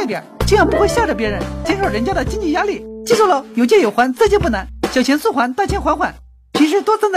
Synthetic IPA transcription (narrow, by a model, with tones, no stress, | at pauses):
t̪jɛ̰˨˩˦t͡ɕi˥˧jɑ˥˩ŋpu˧˥xwɕja˥˩ʈ͡ʂə˥˩pjɛ˧˥ɻə˧˥nt͡ɕi˥nʂo˨˩ɻə˧˥nt͡ɕja˥d̪ə˨t͡ɕi˥ŋt͡ɕi˥˩ja˥li˥˩t͡ɕi˥˧t͡sɔ˥˩lo˧˥jo˨˩ʊt͡ɕjɛ˥˩jo˨˩ʊxwa˧˥nt͡sɤ˥˧t͡ɕi˥˧p̬u˥˩na˧˥nɕjɑ˨˩t͡ɕʰɛ˧˥nsu˥˩xwa˧˥nt̪a˥˩t͡ɕʰjɛ˥nxwa˧˥nxwa˨˩˦n | t͡ɕʰi˧˥ʂɻ̩˧˥t̪wɔ˥t͡snd̪